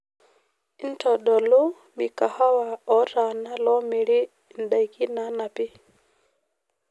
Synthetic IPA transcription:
i˦ntɔ˨ɗɔ˨lu˦ | mi˨ka˨ha˦wa˨ɔ˦ta˨na˦lɔ˦mi˨ɾi˦ | nɗa˨jki˦na˦na˨pi˦

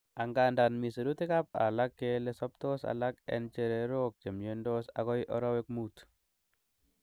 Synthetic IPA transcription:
a˨ŋɡanda˨nmi˨se˨ɾu˦t̪i˦ka˦p̚a̰˨la˦kːelesɔ˦p̚t̪o˦sa̰la˦kɛ̰nt͡ʃeɾe˨ɾok̚t͡ʃe˨mje˦ndɔ˦sa̰ɣɔ˦jʔɔ˦ɾɔ˦we˦k̚mut̪

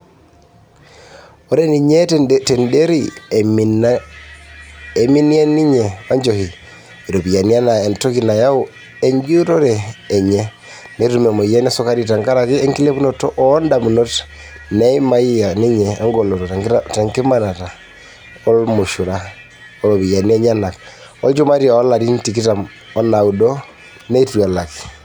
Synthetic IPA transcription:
o˦ɾe˦ni˨ɲete˨nde˦ɾi | e˨mi˦ni˦a˦ni˦ɲɛ˨wa˦ɲd͡ʒohi˨ | i˨ɾo˨pi˨ja˨ni˦a˦na˨e˨nto˦ki˨na˨ja˦u | e˨ɲd͡ʒu˦to˦ɾɛː˨ɲe˦ | ne˨ɾumɛ˨mo˨jɛ˦nɛ˦so˦ka˦ɾita˨ŋɡa˦ɾa˨ke˦ɛ˦ŋki˦le˦pu˦notɔ˦ʔɔ˦nda˨mu˨no˦t | nɛ˦i˦ma˦i˦ja˨ni˦ɲɛ˨ɔ˦ŋɡɔ˨lɔ˨tɔ˨taŋta˨ŋke˦ma˦na˨ta˨ | ɔ˦lmo˨ʃu˨ɾa | ɔ˨ɾo˨βi˨ja˨ni˦ɛ˦ɲa˦na˨k | ɔ˦t͡ʃo˦ma˦ɾi˦aɔ˦la˨ɾi˦nti˨ki˦ta˨m | ɔ˦na˨u˨dɔ˦ | nɛ˦i˦twa˨la˨ki̥˨

